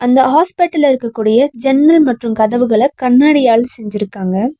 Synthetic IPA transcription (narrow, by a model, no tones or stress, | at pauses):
ɐnd̪ɐhaːspɪʈːɐlɪɾɯkːɐkːuːɽɪjɐd͡ʒɛnːɐlmɐʈrɯmkɐðɐʋɯɣɐɭɐkɐɳːaːɽɪjaːɭsɛɲd͡ʒɪɾɯkːaːŋɡɐ